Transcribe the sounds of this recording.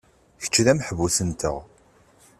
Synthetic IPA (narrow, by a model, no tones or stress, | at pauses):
çə̥t͡ʃːðæməħəvusənt̪ə̰ʁ